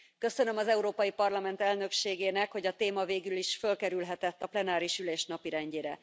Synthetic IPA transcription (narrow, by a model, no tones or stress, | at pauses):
kø̞sønø̞mɒzɛuɾoːpɒjipɒrlɒmɛnt̪ɛlnø̞kʃeːɡeːnɛkho̞ɟɒt̪eːmɒveːɡyliʃfø̞lkɛɾylɦɛt̪ɛt̪ːɒplɛnaːɾiʃyleːʃnɒpiɾɛɲɟeːɾɛ